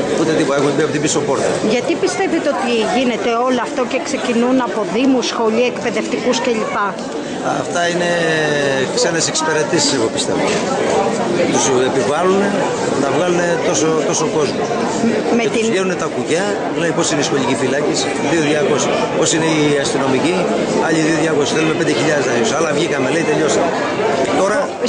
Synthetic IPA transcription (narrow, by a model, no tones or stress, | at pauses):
ut̪et̪ipo̞t̪ɐexumebiɐpo̞t̪ibiso̞po̞ɾt̪ɐ̰ʝɐt̪ipist̪e̞vit̪eot̪iʝine̞t̪e̞o̞loɐft̪oce̞kse̞cinunɐpo̞ðimusxo̞ʎiekpe̞ðe̞ft̪ikusce̞ʎipɐ | ɐft̪ɐine̞ | kse̞nese̞ksi̥pe̞ɾe̞t̪isise̞ɣo̞pist̪e̞vo̰ | t̪usepivɐlune̞ | nɐvɣɐlune̞t̪o̞sot̪o̞soko̞zmos | met̪ʎenunet̪ɐkuʝɐ | lenepo̞sineisxo̞ʎicifilɐcis | ðio̞ðʝɐko̞sipo̞sine̞iɐst̪ino̞mici | ɐʎiðioðʝɐko̞si̥θelumepe̞nd̪eçiʎɐðet̪eʎosɐlɐvʝixɐme̞le̞it̪eʎo̞sɐ | cet̪o̞ɾɐ